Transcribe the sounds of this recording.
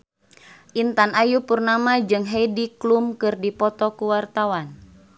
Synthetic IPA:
ʔint̪anajupurnamad͡ʒɨŋɦediklumkɨrdipɔt̪ɔkuwart̪awan

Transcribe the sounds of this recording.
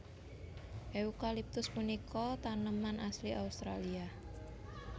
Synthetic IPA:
ʔeukalip̚t̪ʊsmunikɔt̪anəmanʔasliʔaust̪ɾalia

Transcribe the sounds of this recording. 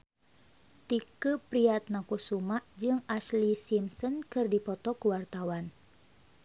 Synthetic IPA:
t̪ikupɾiat̪̚nakusumaʔd͡ʒɨŋaslisimsɔnkɨrdipɔt̪ɔkuwart̪awan

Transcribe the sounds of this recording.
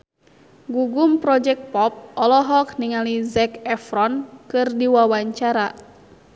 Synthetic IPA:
ɡuɡumpɾɔd͡ʒɛk̚t̪̚pɔp̚ɔlɔɦɔk̚niŋalizɛkɛfɾɔnkɨrdiwawaɲt͡ʃaɾa

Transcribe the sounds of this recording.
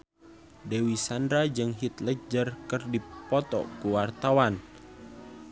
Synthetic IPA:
dewisandɾad͡ʒɨŋɦit̪ləd͡ʒərkɨrdipɔt̪ɔ̰kuwart̪awan

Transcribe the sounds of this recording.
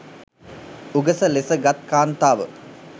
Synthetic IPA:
uɡəsəlesəɡat̪̚kaːnt̪aːʋə̰

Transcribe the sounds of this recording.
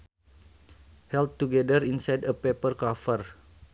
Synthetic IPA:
hɛlt̚tuɡɛdərinsajdəpepərkafər

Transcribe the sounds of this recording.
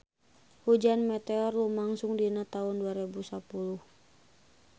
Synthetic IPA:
hud͡ʒanmɛt̪ɛɔrlumaŋsʊŋdinat̪aʊnduaɾibusapuluh

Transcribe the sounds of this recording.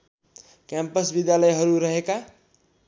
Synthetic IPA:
kɛmpəsbid̪jaləjɦʌɾuɾəɦeka

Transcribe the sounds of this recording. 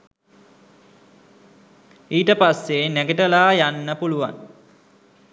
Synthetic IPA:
iːʈəpasːenæɡəʈəlaːjanːəpuluʋa̰ŋ

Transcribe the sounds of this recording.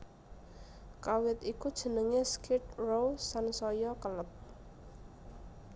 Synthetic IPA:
kawɪt̪ikud̥ʒ̥ə̤nəŋeskɪt̪̚rowsansɔjɔkələp̚

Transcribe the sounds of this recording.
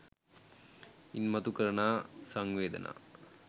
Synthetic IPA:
inmɐt̪ukɐɾɐɳaːsɐŋʋeːd̪ɐ̰nʔa̰

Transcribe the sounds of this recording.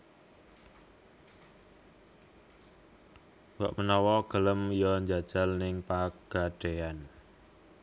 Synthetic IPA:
wa̰ʔmənɔwɔɡ̥ə̤ləmjɔɲd͡ʒad̥ʒ̥a̤lnɪŋpaɡ̥a̤ɖ̥ean

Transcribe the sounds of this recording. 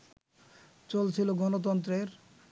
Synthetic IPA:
t͡ɕolt͡ɕʰiloɡɔnot̪̬ɔnt̪̬ɾeɾ

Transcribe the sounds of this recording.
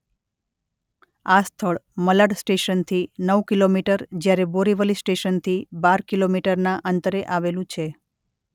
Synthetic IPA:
ast̪ʰəɭməlaɖsʈeʃənt̪ʰinəʋkilomiʈəɾd͡ʒjaɾeboɾiʋəlisʈeʃənt̪ʰibaɾkilomiʈəɾnaʔənt̪əɾeʔaʋelũt͡ʃʰe

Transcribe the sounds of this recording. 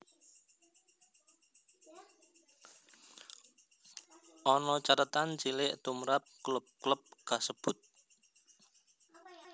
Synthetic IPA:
ʔɔnɔt͡ʃat̪ət̪ant͡ʃilɪʔt̪umɾap̚klʊp̚kləp̚kasəb̥ʊt̪̚

